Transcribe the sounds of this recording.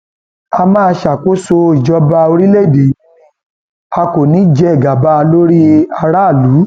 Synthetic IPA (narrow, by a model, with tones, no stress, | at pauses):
a˧mãː˦ʃa˨ko˦so˧˦i˨d͡ʒɔ˧˦ba˧o˧ɾi˦le˦˨de˨˦ | a˧ko˨nĩ˨˦d͡ʒɛ˦ɛ˨ɡa˨ba˧˦a˧lo˦ɾi˦a˧ɾa˦˨lu˨˦